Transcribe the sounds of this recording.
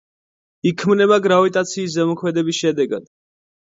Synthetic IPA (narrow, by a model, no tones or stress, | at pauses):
ikʰmnɛbaɡɾavit̪ʼat̪sʰiːs̬zɛmɔkʰmɛd̪ɛbisʃɛd̪ɛɡa̰d̪̥